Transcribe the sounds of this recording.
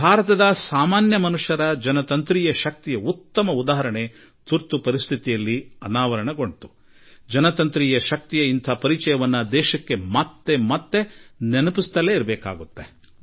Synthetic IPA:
bʱaːɾɐt̪ɐd̪ɐsaːmaːnjɐmɐnuʂjɐɾɐd͡ʒɐnɐt̪ɐnt̪ɾiːjɐʃɐk̚t̪ijɐut̪ːɐmɐud̪aːɦɐɾɐɳe | t̪uɾt̪upɐɾist̪ʰit̪ijɐlːiɐnaːʋɐɾɐɳɐɡoɳɖt̪u̥ | d͡ʒɐnɐt̪ɐnt̪ɾiːjɐʃɐk̚t̪ijɐint̪ʰɐpɐɾit͡ʃɐjɐʋɐnːɐd̪ɛːʃɐkːe̞mɐt̪ːemɐt̪ːe̞nenɐpist̪ɐleiɾɐbɛːka̰ːɡut̪ːe

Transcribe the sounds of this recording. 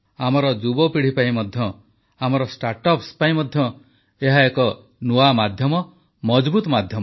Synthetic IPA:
amɔɾɔd͡ʒubɔpiɽ̤ipaĩmɔd̪ʱjɔ | amɔɾɔsʈaɾʈɔpspaĩmɔd̪ʱjɔ | eɦaekɔ | nuamad̪ʱjɔmɔ | mɔd͡ʒbut̪ɔmad̪ʱjɔm

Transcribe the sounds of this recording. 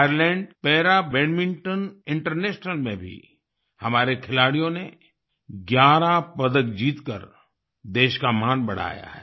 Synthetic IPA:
ajəɾlɛ̃ːɳɖpɛːɾabɛ̃ːnmɪ̃ŋʈənɪ̃ɳʈəɾneːʃnəlmẽbʱḭ | hɐmaːɾekʰɪlaːɽijõne | ɡjaːɾapəd̪əkd͡ʒiːt̪kə̰ɾ | d̪eːʃkamaːnbɐɽ̤a̰ːja̰ɦɛː

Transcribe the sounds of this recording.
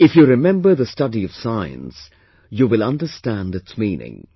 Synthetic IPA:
ɪfjuɾɪmɛ̃mbəðəstʌdiʌv̥saɪə̰̃ns | juʋɪlʌ̃nɖəstæ̃ndɨtsmĩːnɪ̰̃ŋ

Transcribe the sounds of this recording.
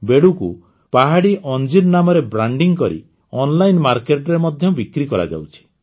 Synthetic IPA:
beɽuku | paɦaɽiʔɔnd͡ʒiɾnamɔɾebɾaɳɖiŋkɔɾḭ | ɔnlajnmaɾkeʈɾemɔd̪ʱjɔbikɾikɔɾa̰d͡ʒa̰wt͡ʃʰi̥

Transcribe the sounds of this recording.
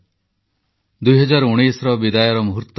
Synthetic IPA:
d̪ujɦɔd͡ʒaɾuɽ̃isɾɔbid̪ajɔɾɔmuɦuɾt̪ː

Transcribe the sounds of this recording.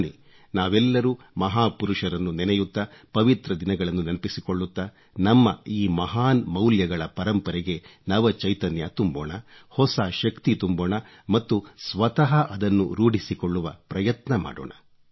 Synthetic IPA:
ni | naːʋɛlːɐɾuː | mɐɦaːpuɾuʂɐɾɐnːunɛnɛjut̪ːɐpɐʋit̪ɾɐd̪inɐɡɐɭɐnːunɐnɐpisikoɭːut̪ːɐ | nɐmːɐiːmɐɦaːnmɐwljɐɡɐɭɐpɐɾɐmpɐɾɛɡe̞nɐʋɐt͡ʃɐjt̪ɐnjɐt̪umboːɳɐ | hɔsaʃɐkt̪it̪umboːɳɐ | mɐt̪ːusʋɐt̪ɐɦɐʔɐd̪ɐnːṵɾuːɽisikoɭːuʋɐ̰pɾɐjɐt̪nɐma̰ːɽo̰ːɳɐ

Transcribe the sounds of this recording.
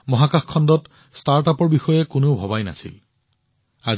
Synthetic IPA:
mɔɦakaxkʰːɔndɔt | staɹtapɔɹbixɔjɛkʊnobʱɔbajna̰sḭl | a

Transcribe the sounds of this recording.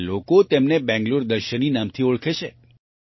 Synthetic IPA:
lokot̪emnebɛ̃ŋɡloɾd̪əɾʃəninamt̪ʰioɭkʰet͡ʃʰe

